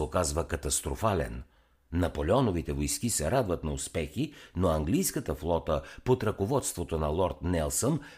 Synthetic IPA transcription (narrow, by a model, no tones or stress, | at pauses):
okazvəkɐt̪ɐst̪ɾofalɛ̰nː | ɐpolɛɔnovit̪ɛvojskisɛɾad̪vət̪nɐʊspɛxinoɐŋɡlijskət̪əflˠɔt̪əpot̪ɾɐkovɔt̪st̪vot̪onɐlˠɔɾt̪nɛlˠsən